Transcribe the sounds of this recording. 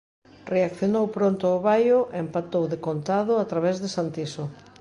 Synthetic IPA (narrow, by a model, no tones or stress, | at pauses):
reakθjonowpɾont̪ʊoβajʊʔempat̪owðekont̪aðʊat̪ɾaβɛzðɪsant̪iso